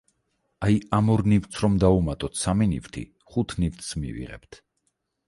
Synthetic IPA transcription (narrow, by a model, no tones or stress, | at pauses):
ajamɔɾnivt̪sʰɾɔmd̪aumat̪ʼɔt̪ʰsaminḭvt̪ʰḭ | χut̪ʰnivt̪ʰʼsmḭvḭʁɛ̰pt̪ʰ